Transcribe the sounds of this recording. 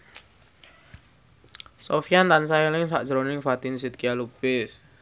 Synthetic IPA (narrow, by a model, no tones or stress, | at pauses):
sofijant̪ansajɛlɪŋsa̰ʔd̥ʒɾonɪŋfat̪ɪnsit̪̚kialupɪs